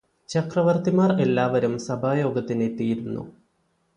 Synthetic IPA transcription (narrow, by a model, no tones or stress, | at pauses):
t͡ɕɐkrɐʋɐrt̪imaːre̞lːaːʋɐɾumsɐbʱaːjo̞ːɡɐt̪ːinet̪ːijiɾunːṵ